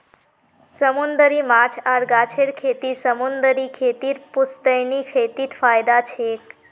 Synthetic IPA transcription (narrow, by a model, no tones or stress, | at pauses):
səmund̪əɾimat͡ʃʰaɾɡat͡ʃʰeɾkʰet̪isəmund̪əɾikʰet̪iɾpust̪əjnikʰet̪it̪pʰajd̪at͡ʃʰek